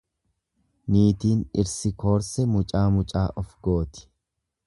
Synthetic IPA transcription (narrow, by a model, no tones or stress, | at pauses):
niːt̪iːnɪɾsɪko̞ːɾsɛmʊt͡ʃʼaːmʊt͡ʃʼaːʔɔfɡo̞ːt̪ɪ̥